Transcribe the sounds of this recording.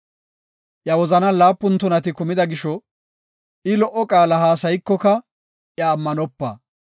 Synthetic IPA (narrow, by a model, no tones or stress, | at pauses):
ʔjɐwɔzɐnɐlaːpːʊnt̪ːɔnɐt̪ɪkʊmɪd̪ɐɡɪʃɔ | ɪlɔʔɔkʼaːlɐɦaːsɐjkːɔkɐ | ʔjɐːmːɐnɔpːɐ̰